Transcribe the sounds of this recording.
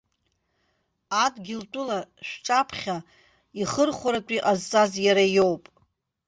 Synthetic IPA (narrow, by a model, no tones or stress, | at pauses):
adɡʲɪltʷʼʊlaʃʷᶣʈ͡ʂʼapʰχʲa | iχərχʷaɾatʷʼiʔazt͡sʼazjaɾajo̞wpʼ